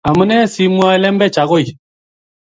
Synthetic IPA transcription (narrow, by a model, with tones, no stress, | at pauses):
a˨mə˦nɛ˦si˦mwa˦ɛ˦lɛ˦m˦bɛ˦t͡ʃa˨ɣo˦i˨